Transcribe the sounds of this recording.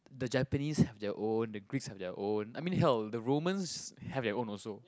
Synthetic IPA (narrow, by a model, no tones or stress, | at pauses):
d̪əd͡ʒɛpənishɛvdɛəʔõndəɡɹikshɛvdɛʔõnajmĩnɦɛldəɹomə̃nshɛvdɛʔõnɔlso